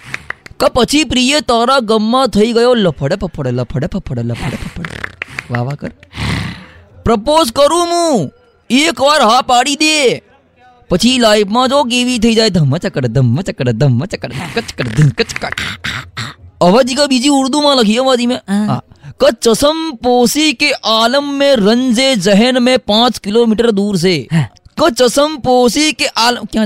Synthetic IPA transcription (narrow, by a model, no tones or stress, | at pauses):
kəpət͡ʃʰipɾijət̪aːɾaɡəmːãt̪ʰəiɡəjoləpʰəɽepəpʰːəɽeləpʰːəɽepəpʰːəɽeləpʰəɽepəpʰːəɽḛʋa̰ːʋakə̰ɾ | pɾəpoːzkəɾũmũː | eːkʋaɾɦapaːɽid̪e | pɐt͡ʃʰilaːipʰmãd͡ʒoːk̬eːʋit̪ʰɐid͡ʒaːed̪ʱɐmːət͡ʃɐkəɽed̪ʱɐmːət͡ʃɐkəɽed̪ɐmːət͡ʃɐkːəɾkɐt͡ʃkəɾd̪ɐkɐt͡ʃkɐt͡ʃ | ɐʋad͡ʒikabiːd͡ʒiʊɾd̪umãlɐkʰijoʋaːd̪imẽa̰kɐ̃t͡ʃəsəmpoːsikeʔaːləmːẽɾə̃nd͡ʒed͡ʒəɦənmẽpãːt͡ʃkɪloːmɪʈəɾd̪uːɾs̬eːkə̃t͡ʃəsəmpoːsikeʔaːləmkjã